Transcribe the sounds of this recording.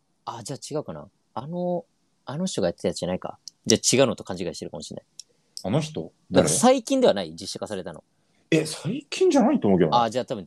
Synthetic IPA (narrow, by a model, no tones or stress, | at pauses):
ad͡ʑaːt͡ɕiɡaɯ̟kana̰ | ano̞ | ano̞ç̥t̪o̞ɡajat̪ːe̞t̪ajat͡sɨʑanaika̰d͡ʑaːt͡ɕiɡaɯ̟not̪o̞kãɲ̟d͡ʑiɡaiɕit̪eɾɯkamo̞ɕḭ̃nːʔa̰i | anoç̬̥t̪o | d̪aɾasaikʲĩnd̪e̞anaid͡ʑiɕːḁkasaɾe̞t̪ano̰ | esaikʲʰĩɲ̟d͡ʑanait̪oːmoːkʲead͡ʑaːt̪abɯ̟̃